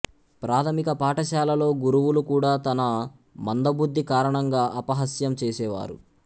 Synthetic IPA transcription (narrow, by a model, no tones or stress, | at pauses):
pɾaːt̪ʰɐmikɐpaːʈɐʃaːlɐlo̞ːɡuɾuʋulukuːɽaːt̪ɐnɐ | mɐnd̪ɐbud̪ːikaːɾɐɳɐŋɡaːʔɐpɐɦɐsjɐmt͡ʃeːsɛːʋa̰ːɾṵ